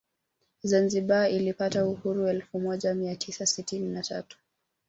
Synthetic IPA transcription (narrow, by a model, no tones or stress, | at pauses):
zanziɓailipatauhuɾuɛlfumɔʄamiatʰisasitininata̰tu̥